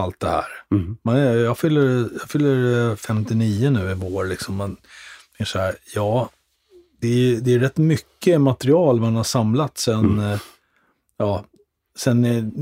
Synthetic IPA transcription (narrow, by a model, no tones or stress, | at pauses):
alt̪̚d̪ɛhæ̰ːɾmɛnjɑːɡfʏlːəɾjɑɡfʏlːəɾfɛmt̪ɪniːənʉ̟ːɪvoːɾlɪksɔmːɛnmɪʂɔæːɾjɑː | d̪̥ɛæɾjd̪ɛæɾɛt̪ːmʏkːəmat̪ɛɾɪɑːlvaanhaʂamlat̪sɛn | jɑː | sɛnɛ